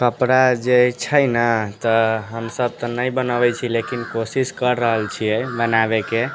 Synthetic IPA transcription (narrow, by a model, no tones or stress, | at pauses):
kəpɾad͡ʒet͡ʃʰəjnət̪əɦəmsəb̚t̪ənəjbənəbɛjt͡ʃʰilekinkosiskəɾːəɦəlt͡ʃʰijɛbənabeke